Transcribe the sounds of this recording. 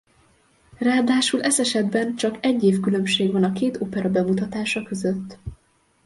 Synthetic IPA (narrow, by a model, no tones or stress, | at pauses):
raːd̪aːʃulʔɛsɛʃɛd̪bɛnt͡ʃɒkɛɟːeːfkylø̞mʃeːɡʋɒnɒkeːt̪oːpɛɾɒbɛmut̪ɒt̪aːʃɒkø̞zøt̪ː